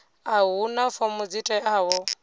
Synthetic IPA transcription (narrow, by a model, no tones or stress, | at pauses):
aɦunafɔmud͡zitʼɛʔaːwɔ